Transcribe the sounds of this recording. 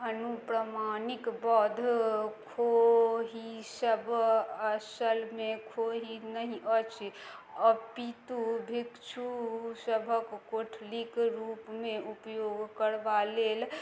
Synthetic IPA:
ɦənupɾəmanikbɔd̪ʱkʰoɦisəbəsəlmekʰoɦinəɦĩʔət͡ʃʰəpit̪ubʱikt͡ʃʰusəbʱəkːoʈʰlikɾupmeupjoɡkəɽʋalel

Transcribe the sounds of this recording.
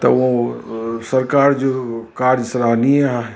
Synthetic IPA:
t̪ɐ̰ʋo | sɐɾkaːɾd͡ʒokaːɾd͡ʒsɾaɦniɛɦã

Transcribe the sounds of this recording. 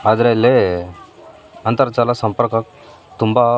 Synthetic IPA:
ad̪ɾelːe | ɐnt̪əɾt͡ʃaːlasɐ̃mpəɾkək̚ | t̪umba

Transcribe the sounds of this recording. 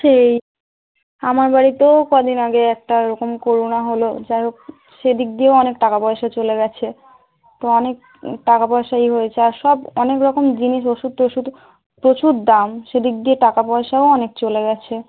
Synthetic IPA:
ʃej | amaɾbaɽit̪ekod̪ʱinaɡeɛk̚ʈaɾɔkomkoɾunaɦolo̰d͡ʑaɦok̚ | ʃed̪ik̚d̪ieɔnekʈakapɔeʃat͡ɕoleɡɛt͡ɕʰe | t̪oɔnek̚ | ʈakapɔeʃaeijɦoet͡ɕʰeaɾʃɔbɔnekɾɔkomd͡ʑiniʃoʃud̪̚toʃud̪ | pɾot͡ɕuɾd̪amʃed̪ik̚d̪ieʈakapɔeʃaoɔnek̚t͡ɕoleɡɛt͡ɕʰe

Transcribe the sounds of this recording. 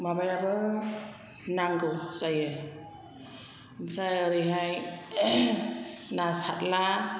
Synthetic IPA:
mabajabɯ | naŋɡɯwsaje | msajaɾiɦaj | nasat̚la

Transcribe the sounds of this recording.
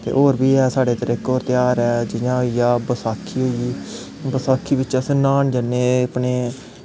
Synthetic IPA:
t̪ḛːʔɦoːɾbiːɛːsaːɽeːt̪əɾɪkoːɾt̪ɪjaːɾɛːd͡ʒɪnãːɦoːijaːbəsaːkʰːiːɦoːiiː | bəsaːkʰːiːbɪt͡ʃəsnaːɳd͡ʒənːeːapɳeː

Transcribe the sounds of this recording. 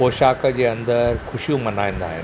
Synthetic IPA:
oːɕakəd͡ʑeːənd̪əɾkʰʊɕijũmɐnaːj̃nd̪a̰ːɦḛ

